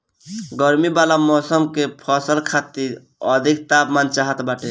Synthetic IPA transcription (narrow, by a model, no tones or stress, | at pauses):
ɡəɾmibalamɔsəmkepʰɔsəlkʰat̪iɾ | əd̪ʱik̚t̪apmant͡ʃaɦət̪baʈe